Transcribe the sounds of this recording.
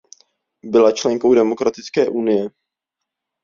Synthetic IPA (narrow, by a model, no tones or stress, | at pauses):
bɪlat͡ʃlɛŋko̞wdɛmo̞kɾat̪ɪt͡skɛːʔunɪjɛ